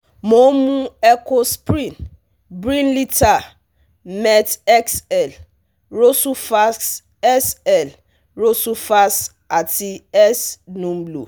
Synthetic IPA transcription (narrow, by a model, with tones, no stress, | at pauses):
mo˨˦mũ˦ɛ˦ko˦spɾĩ˨n | bɾĩ˦nli˦ta˨ | mɛ˦tɛ˦ksɛ˨l | ɾo˦su˦fa˦s | ɛ˦sɛ˨l | ɾo˦su˦fa˦s | a˨ti˦ɛ˦snũ˦m̩˦blṵ˨